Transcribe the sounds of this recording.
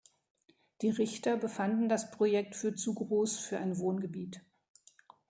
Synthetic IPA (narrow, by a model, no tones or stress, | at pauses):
d̥iːʁɪçtɐbəfandn̩daspʁ̥ojɛk̚tfyːɐt͡suɡʁoːsfyːɐʔa̰ɪnvoːnɡəbiːt